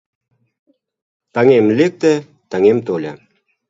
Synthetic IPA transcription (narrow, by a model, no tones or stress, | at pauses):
t̪ɑŋemlʲek̚t̪ĕ | t̪ɑŋemt̪olʲa̰